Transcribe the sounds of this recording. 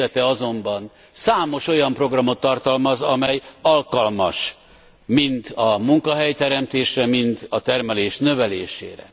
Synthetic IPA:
ɛt̪ɛɒzo̞mbɒn | saːmo̞ʃo̞jɒmpro̞ɡrɒmo̞t̪ːɒrt̪ɒlmɒzɒmɛjɒlkɒlmɒʃ | mint̪ɒmuŋkɒɦɛjt̪ɛɾɛmt̪eːʃrɛmint̪ɒt̪ɛrmɛleːʃnø̞vɛleːʃḛːɾɛ̰

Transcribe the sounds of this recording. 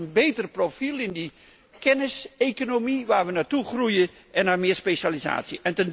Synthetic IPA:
ənbejtərprofilˠɪndi | kɛnɪsejkonomiʋaːɹʋənaːɹtuχrujə | ʔɛnːaɹmɪːɹspeʃaliza̰ːtsiʔɛntən

